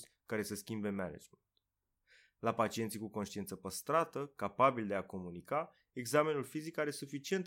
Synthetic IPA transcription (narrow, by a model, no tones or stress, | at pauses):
sʲ | kaɾe̞səskʲimbe̞mana̰d͡ʒment̪ | lapat͡ʃie̞nt̪sikuko̞nʃt̪ient̪səpəst̪ɾat̪əkapabild̪e̞ako̞munika | e̞ɡzame̞nulfizikaɾe̞sufit͡ʃie̞nt̪